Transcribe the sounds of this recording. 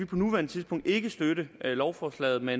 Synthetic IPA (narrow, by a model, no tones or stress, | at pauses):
ʋipʰɒ̽nuʋæɐnət͡sʰiðˠsb̥ɔ̽ŋ̰d̥e̝ɡ̥əsd̥øɾəlɒʊfɒːslɛ̰ɪð̩ˠmen